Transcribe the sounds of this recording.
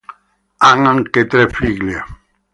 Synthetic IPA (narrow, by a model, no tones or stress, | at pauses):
aŋaŋket̪ɾefliɣla